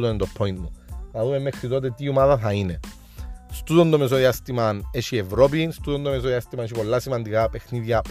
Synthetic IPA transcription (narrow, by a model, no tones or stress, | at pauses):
uðoned̪opʰːoint̪munɐðumemːexɾit̪ot̪et̪iumaðɐθɐine | st̪uðond̪omes̬oðiast̪imɐneʃievɾop̬inst̪uðond̪omes̬oðiast̪imɐneʃ̬ipo̞lːasimɐnd̪ikapexniðʝɐ